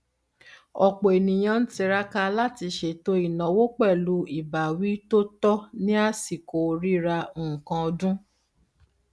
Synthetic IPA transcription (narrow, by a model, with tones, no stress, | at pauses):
ɔ˨k͡po˨e˨nĩ˨j̃ã˧n̩˦ti˧ɾa˦ka˧la˦ti˧ʃe˨to˦i˦˨nã˨wo˦k͡pɛ˦˨lu˦i˦˨ba˨wi˦to˦tɔ˦nĩ˦a˦si˨ko˨ɾi˦ɾa˧˨kã˧ɔ˧dũ˦